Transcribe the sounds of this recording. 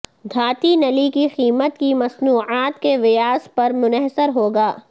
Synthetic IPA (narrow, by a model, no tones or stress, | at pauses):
d̪ʱaːt̪inɐlikixiːmət̪kimɐsnuːʕaːt̪keʋɪjaːspɐɾmʊnəɦsəɾɦoːɡaː